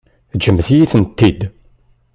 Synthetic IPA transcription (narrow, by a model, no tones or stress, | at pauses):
d͡ʒəmθjiθənt̪ːid̪